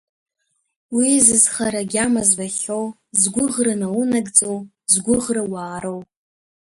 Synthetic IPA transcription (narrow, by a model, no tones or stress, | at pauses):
wizɨzχaɾaɡʲamazbaχow | zɡʷʊʁrɨnawunaɡʼt͡sʼow | zɡʷʊʁrawaːɾow